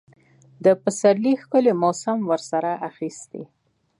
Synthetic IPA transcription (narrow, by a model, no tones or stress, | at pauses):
d̪əpəsaɾlixkəlemosamwəɾsaɾaʔaxist̪ḛ